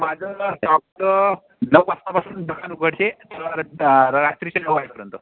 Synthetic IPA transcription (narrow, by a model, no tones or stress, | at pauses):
mad͡zʱəsɔk̚ʈ̪ə | nəʋpasnapasuːndʱəkʰanuɡʱəɽt͡ɕet̪əɾaɾast̪ɾit͡ɕenəʋʋajʈpəɾənt̪o